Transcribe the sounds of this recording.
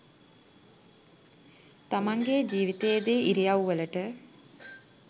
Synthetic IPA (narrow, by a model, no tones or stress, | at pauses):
t̪amaŋɡed͡ʒiːʋit̪ejd̪eːiɾijawʋələʈə